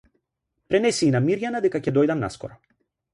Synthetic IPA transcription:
pɾɛnɛsiːnamiɾjanad̪ɛkacɛd̪ɔjd̪amna̰skɔ̰ɾɔ

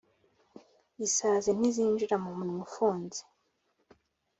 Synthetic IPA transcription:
isazen̥iziːnd͡ʒiɾamumunmufuːnzi̥

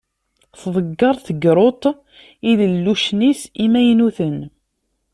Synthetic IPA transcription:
θðˤəɡːɑɾˤθəɡɾˤot̪ˤ | iðəlːuʃnisimæjnuθən

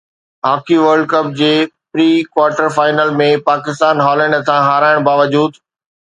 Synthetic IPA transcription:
ɦaːkiʋəɾɖkɐp̚d͡ʑeːpɾiːkwaːɾʈəɾfaːɪnəlmẽpaːkɪst̪aːnɦɔːlɛ̃ːɳɖt̪ʰãɦaːɾaːɪɽ̃baːʋəd͡ʑuːd̪

